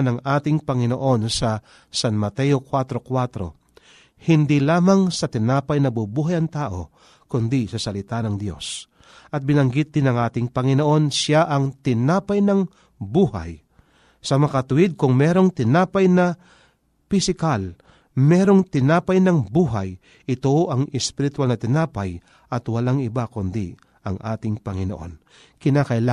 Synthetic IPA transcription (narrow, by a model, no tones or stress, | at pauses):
nɐŋʔaːt̪ɪŋpɐŋɪnoʔo̞nsɐ | sanmɐt̪ɛjokwat̪ɾo̞kwat̪ɾo̞̰ | hɪnd̪ilaːmɐŋsɐt̪ɪnaːpɐjnɐbubuːɦajɐŋt̪aːʔo̞ | kʊnd̪isɐsɐlɪt̪anɐŋd̪jo̞̰s | ʔɐt̪̚bɪnɐŋɡɪt̪̚d̪ɪnɐŋʔaːt̪ɪŋpɐŋɪnoʔo̞nsaʔɐŋt̪ɪnaːpɐjnɐŋ | buːha̰j | sɐmɐkɐt̪ʊwɪd̪̚kʊŋmɛɾo̞ŋt̪ɪnaːpɐjnɐ | pɪsɪkal | mɛːɾo̞ŋt̪ɪnaːpɐjnɐŋbuːɦa̰j | ʔɪt̪oʔɐŋɛspɪɾɪt̪walnɐt̪ɪnaːpɐj | ʔɐt̪wɐlaŋɪbakʊnd̪ḭ | ʔɐŋʔa̰ːt̪ɪŋpɐŋɪnoʔo̞̰n | kɪnakɐʔɪla